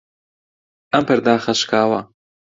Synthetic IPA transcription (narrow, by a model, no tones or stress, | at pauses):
ʔɐmpɐɾd̪aːxɐʃkʰaːwɐ